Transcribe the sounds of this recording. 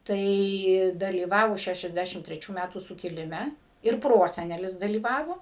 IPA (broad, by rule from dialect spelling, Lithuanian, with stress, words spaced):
ˈtɐɪ dɐlʲiːˈʋɑːʋoː ˌʃʲæʃʲɛzʲˈdʲæʃʲɪm tʲrʲɛˈt͡ʃʲuː ˈmʲætuː sʊkʲɪlʲɪˈmʲɛ ɪr ˈproːsʲɛnʲɛlʲɪs dɐlʲiːˈʋɑːʋoː